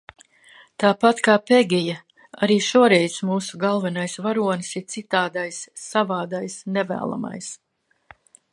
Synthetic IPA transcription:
t̪aːpat̪kaːpeɡʲija | a̰ɾiːʃuɔɾɛjsmuːsuɡalˠvɛnajsvaɾuɔnsiɾt̪sit̪aːd̪ajsːavaːd̪ajsnɛvæ̰ːlˠa̰ma̰js

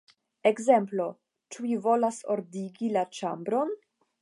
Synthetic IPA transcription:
ekze̞mplo̞ | t͡ʃuivo̞laso̞̰ɾdiɡilat͡ʃambɾo̞n

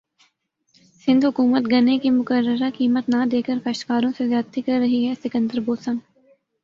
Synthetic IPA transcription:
sɪ̃nd̪ɦʊkuːmət̪ɡɐnekimʊkəɾːəɾakiːmət̪nad̪eːkəɾkɐʃt̪kaːɾõsezjaːd̪t̪ikɐɾːɐɦiɦɛsɪkə̃nd̪əɾboːsən

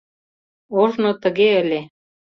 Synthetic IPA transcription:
oʒnŏt̪ə̆ɣeə̆lʲe

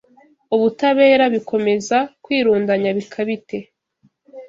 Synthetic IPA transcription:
uβutaβe̞ːɾaβikʰo̞me̞zakwiːɾuːndaɲaβikʰaβite̞

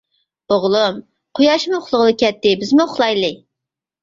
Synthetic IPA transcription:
oʁlˠum | qʰʊjɑʃmuχʰlˠʊʁlˠɨkʲʰɛt̪ːɪbɪzmuʊχlˠɑjlˠɨ

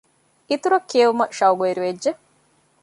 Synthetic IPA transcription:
it̪uɾɐkːieʋumɐʃɐuɡueɾiʋedʒe

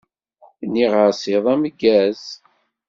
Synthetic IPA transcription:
niʁəɾsiðˤæməɡːæz

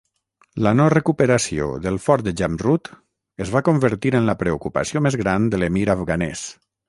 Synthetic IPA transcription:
lənɔrəkupəɾasio̰ðəlˠfɔɾd̪əʒamrut̪ | əzβakombəɾt̪iɾənləpɾeukupə̰siomezɣɾand̪əlemiɾafɣanɛ̰s

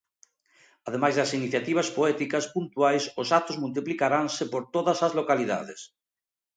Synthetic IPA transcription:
að̞emajzðɐsiniθjat̪iβ̞ɐspoɛt̪ikɐspunt̪uajsʊsat̪ozmult̪̬iplikaɾaŋsɪpoɾt̪oðɐsɐzlokaliða̰ðes

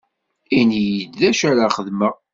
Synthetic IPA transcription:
injəd̪ðæʃæɾaχəðməʁ

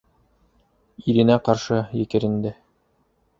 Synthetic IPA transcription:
iɾɘ̆næqɑɾʃɤjɘ̆kɘ̆ɾɘ̆nd̪ɘ

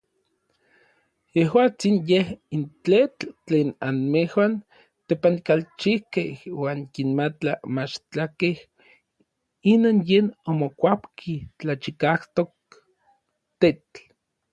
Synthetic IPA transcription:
jehwaːt͡sinjehintet͡ɬt͡ɬeːnanmehwan | t̪epankalt͡ʃihkehwaːŋkinmat͡ɬamat͡ʃt͡ɬakeh | inoːnjeːnomokʷapkʰit͡ɬat͡ʃikaht̪ok̚ | t̪et͡ɬ

